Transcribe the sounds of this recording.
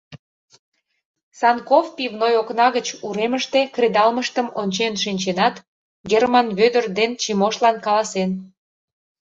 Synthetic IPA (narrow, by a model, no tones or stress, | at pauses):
sɑnkofpivnojoknɑɣət͡ɕuɾeməʃt̪e̽kred̪ɑlməʃt̪əmonʲt͡ɕenʃinʲt͡ɕenɑt̪ | ɡermɑnβød̪ərd̪ent͡ɕimoʃlɑnkɑlɑsen